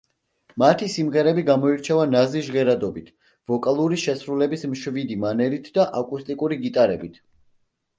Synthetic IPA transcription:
mat̪ʰisimʁɛɾɛbiɡamɔiɾt͡ʃʰɛvanaziʃʒʁɛɾad̪ɔbit̪ʰ | v̥ɔkʼalˠuɾiʃɛsɾulɛbismʃvid̪imanɛlit̪ʰd̪aʔakʼust̪ʼikʼuɾiɡit̪ʼaɾɛbit̪ʰ

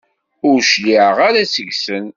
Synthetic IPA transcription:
ʊɾʃliʕʁaɾasəʝsən

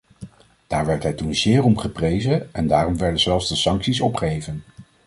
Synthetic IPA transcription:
d̥aːɹʋɛɹtɦɛjtunzɪːɹɔmχəprejzənɛndaːrɔmʋɛɹdənzɛlˠfzdəsɑŋksisɔpχejvən

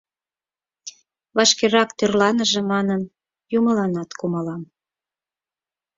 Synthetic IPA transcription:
βɑʃkeɾɑkt̪ørlɑnəʒĕmɑnən | juməlɑnɑt̪kuməlɑm

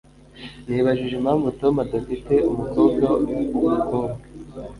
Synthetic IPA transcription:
niβaʒiʒemhaːɱvutomadufite̞umukoːbɡawuɡukoːbɡe

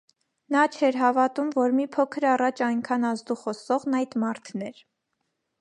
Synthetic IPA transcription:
nɑt͡ʃʰɛɾɦɑvɑt̪umvɔɾmipʰɔkʰəɾɑrɑt͡ʃʰɑjŋkʰɑnɑzd̪uχɔsɔʁnɑjd̪mɑɾt̪ʰnɛɾ

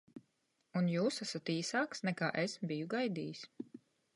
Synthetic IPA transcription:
unjuːsasat̪iːsaːksnɛkaːʔesbijuɡajd̪iːjis

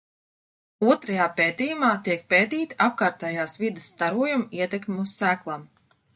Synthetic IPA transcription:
uɔt̪ɾajaːpeːt̪iːjumaːt̪iɛk̚peːt̪iːt̪iap̚kaːɾt̪ɛːjaːsvid̪ɪst̪aɾuɔjumiɛt̪ɛkmʲeusːæːklˠam

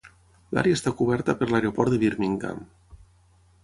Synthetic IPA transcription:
la̰ɾeəst̪akuβɛɾt̪əpəɾlaeɾeopɔɾt̪əβiɾmiŋka̰m

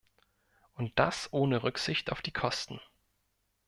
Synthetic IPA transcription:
ʔʊnt̚d̥asʔoːnəʁʏkz̥ɪçta̰ʊfd̥iːkʰɔstn̩

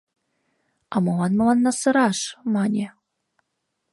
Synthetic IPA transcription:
ɑmɤ̆lɑnmɤ̆lɑnːɑsɤ̆ɾɑʃmɑnʲe

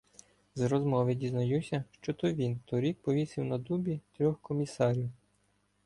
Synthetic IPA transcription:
zɾɔzmɔʋedʲiznɐjusʲɐʃt͡ʃɔt̪ɔʋʲint̪ɔɾʲik̚pɔʋʲisʲiwnɐd̪ubʲit̪ɾʲɔxkɔmʲisɑɾʲiw

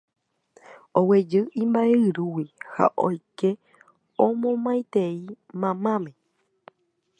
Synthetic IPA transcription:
owed͡ʒɨʔĩmbaeɨɾuwiha̰ʔo̰jke | õmõmãj̃t̪ei | mãmãmẽ

